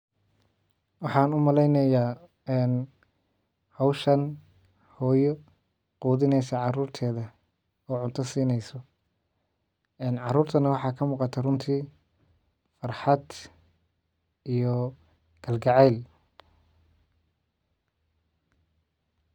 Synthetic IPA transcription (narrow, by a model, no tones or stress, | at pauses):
wɑħɑːnʊmɐlɛjnɐjaː | ɛːn | hɔwʃɐn | hɔːjɔ | quːðɪnɛjsɐʕɑruːrt̪ʰɛːðɐ | ɔːʕʊnt̪ʰɐsiːnɛjsɔ | ɛːnʕɑruːrt̪ʰɐnɐwɑħɑːkʰɐmuːqɑt̪ʰɛrʊnt̪ʰiː | fɑrħɑd̪ | ijɔ | ɡ̥ʰɐlɡɑʕɛl